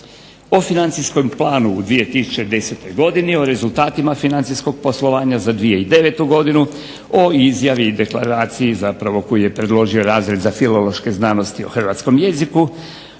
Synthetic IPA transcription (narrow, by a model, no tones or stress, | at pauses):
o̞finant̪sisko̞mplˠaːnuːd̪ʋie̞t̪isu̥t͡ʃe̞d̪e̞set̪o̞jɡo̞d̪inio̞ɾe̞zulˠt̪aːt̪imafinant̪sisko̞ɡ̚po̞slˠo̞ʋaːɲazad̪ʋije̞id̪e̞ʋe̞t̪uɡo̞d̪inu | o̞izjaʋiːd̪e̞kla̰ɾaːt̪sijizapɾaʋo̞ko̞jije̞pɾed̪lo̞ʒio̞ɾaːzɾed̪zafilo̞lo̞ʃke̞znaːno̞st̪ioxr̩ʋaːt̪sko̞mje̞ziku